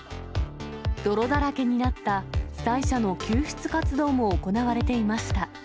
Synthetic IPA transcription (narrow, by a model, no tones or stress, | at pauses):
d̪̥o̞ɾo̞d̪aɾake̞ɲ̟inat̪ːḁsaiɕano̞kʲɨːçɨ̥t͡sɨ̥kat͡sɨd̪o̞ːmo̞ːko̞naβ̞aɾe̞t̪e̞imaɕi̥t̪a